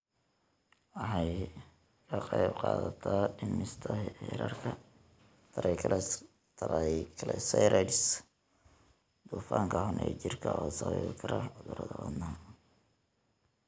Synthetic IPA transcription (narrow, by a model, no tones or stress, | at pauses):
wɑħɑj | kʰɐqejbqɑːðɐt̪ʰaːɖɪmɪst̪ʰɐɛɾaːrkʰɐ | t̪ʰɐɾʔɛjkʰ | t̪ʰɾkʰɐlɛsɛjɾʔɛɖɪs | d̪̥uːfaːŋkʰɐhʊnʔɛ̰t͡ʃɪrkʰɐɔːsɐwɛβkʰɐɾɐʕʊðʊɾɐðɐwɐd̪naː